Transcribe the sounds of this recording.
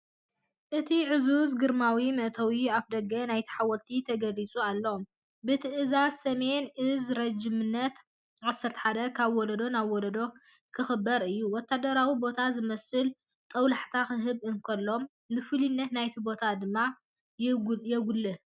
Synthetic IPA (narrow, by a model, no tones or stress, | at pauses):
ʔɨt̪ʰiʕɨzuzɡɨɾmawimɨʔt̪ʰɐwiafd̪ɐɡɐnajt̪ʰi̥ħawɔlt̪ʰit̪ʰɐɡɐlit͡sʼualːɐom | bɨt̪ʰɨʔɨzazsɐme̞nɨzɾɐd͡ʒimɨnːɐt̪ | ʕasːɐɾt̪ʰɐ̥ħad̪ɐkʰaβwɔlɐd̪o̞naβwɔlɐd̪o̞ | kʰɨxɨbːɐɾɨjːuwɔt̪ːad̪ɐɾawibo̞t̪ʰazɨmɐsɨl | t̪ʼɐwlaħt̪ʰaxɨɦɨβɨŋkʰɐlːo̞m | nɨfɨlinːɐt̪najt̪ʰibo̞t̪ʰad̪ɨmːa | jjɛɡulːɨ